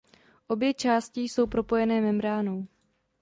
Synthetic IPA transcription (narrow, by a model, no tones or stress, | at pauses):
ʔo̞bjɛt͡ʃaːscɪso̞wpɾo̞po̞jɛnɛːmɛmɾaːnow